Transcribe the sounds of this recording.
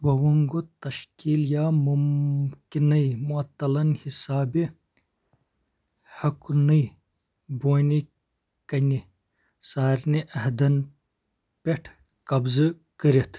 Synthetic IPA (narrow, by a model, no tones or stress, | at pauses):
bɐwuŋɡot̪ɐʃkiːljaːmumkinɐjmuɐt̪ːɐlɐnhisaːbi | hɐknɐj | boːni | kɐni | saːɾniʔɐɦd̪ɐn | peʈʰ | kɐbzɨ | kəɾet̪ʰ